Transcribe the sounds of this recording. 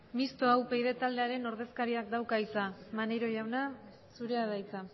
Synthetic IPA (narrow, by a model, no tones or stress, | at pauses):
mist̪o̞awpejðe̞t̪ald̪e̞aɾe̞no̞ɾð̞e̞skaɾiak̚d̪awkaisamanejɾo̞ʝawna | suɾe̞aðajt͡sa